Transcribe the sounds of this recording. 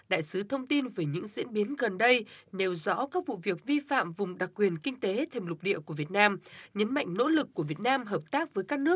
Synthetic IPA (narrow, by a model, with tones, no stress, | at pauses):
ɗa̰ː˧˨jsɨ˨˦t̪ʰə˧wŋ͡mt̪i˧nve˨˩ɲɨ̰˧˥ŋzḭ˧˥ənɓi˨˦ənɣə˨˩nɗə˧jne˨˩wzɔ̰˧˥kaː˦˥k̚vṵ˧˨vi˨˩ək̚vi˧fa̰ː˧˨mvʊ˨˩ŋ͡mɗa˨˩k̚kːwi˨˩ənkï˧ŋ̟t̪e˨˦t̪ʰe˨˩mlʊ˨˩k͡p̚ɗḭ˧˨əku˧˩əvi˨˩ət̚naː˧mɲə˨˦nma̰˧˨jŋ̟no̰˧˥lɨ˨˩kːu˧˩əvi˨˩ət̚naː˧mɦəː˨˩p̚t̪aː˦˥k̚vəː˨˦jkaː˦˥k̚nɨ˦˥ək̚